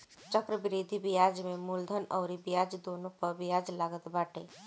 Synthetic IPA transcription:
t͡ʃəkɾəbɪɾiːd̪ʱibijaːd͡ʒmẽmuld̪ʱənɔːɾibijaːd͡ʒd̪oːnopəɾbijaːd͡ʒlaːɡət̪baːʈe

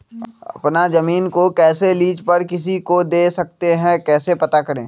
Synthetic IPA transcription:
ɐ̰pnazɐmiːnkokɛːseliːd͡ʒpɐɾkɪs̬ikod̪eːsɐk̚t̪eɦɛ̃kɛːsepɐt̪akɐɾḛ̃ː

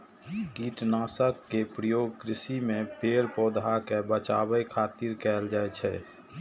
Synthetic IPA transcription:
kiʈnaːsəkːepɾəjoːɡ̚kɾɪsimẽpeːɾpɔːd̪ʱakebət͡ʃaːbəjkʰaːt̪iɾkɛːld͡ʒaːɛt͡ʃʰɛ

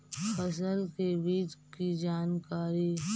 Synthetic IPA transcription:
fʰɐsəlkebiːt͡ʃkid͡ʒaːnkaːɾi

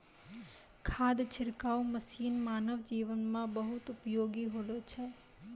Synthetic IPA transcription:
kʰaːd̪t͡ʃʰɪɾkaːoməsiːnmaːnəʋd͡ʒiːʋənmãbəɦʊt̪ʊpjoːɡiɦoːlot͡ʃʰɛː

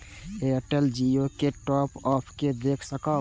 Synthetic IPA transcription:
eəʈəld͡ʒiokeʈɔːpɔːpʰked̪eːkʰsəkə

